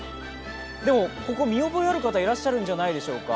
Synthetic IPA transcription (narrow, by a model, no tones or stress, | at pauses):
d̪e̞mo̞ko̞ko̞mʲio̞bo̞eaɾɯ̟kat̪aiɾaɕːaɾɯ̟̃ɲ̟d͡ʑanaid̪e̞ɕo̞ːka̰